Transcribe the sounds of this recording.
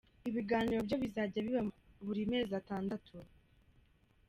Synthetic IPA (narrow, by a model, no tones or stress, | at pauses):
iβiɡaːniɾo̞bɟo̞βizaːɟaβiβaβuɾime̞ːzataːndatʰu